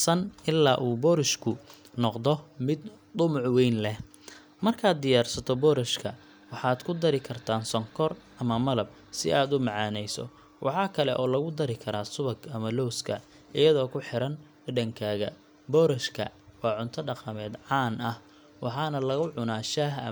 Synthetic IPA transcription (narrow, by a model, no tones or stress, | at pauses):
sɐnɪlːaːʔuːbɔːɾɪʃkʰʊ | nɔqd̪ɔmɪd̪ | d̪ʊmʊʕwɛjnlɛh | mɐrkʰaːd̪̚ɪjaːrsɐt̪ʰɔbɔːɾɪʃkʰɐ̰ | wɑħɑːd̪kʰʊd̪ɐɾɪkʰɐrt̪ʰaːnsɔŋkʰɔr | ɐmɐmɐlɐb̚ | sɪ̰ʔaːd̪ʊmɑʕɑːnɛjsɔ̰ | wʔɑħɑːkʰɐlɛʔɔːlɐɣʊd̪ɐɾɪkʰɐɾaːsʊβɐɡɐmɐlɔwskʰɐ | ʔɪjɐðɔːkʰʊħɪɾɐn | ɖɐŋkʰaːɣɐ̰ | bɔːɾɐʃkʰɐ̰ | wɑːʕʊnt̪ʰɐɖɑqɑmɛːd̪ʕɑːnɐh | wɑħɑːnɐlɐɣʊʕʊnaːʃaːɦɐ̰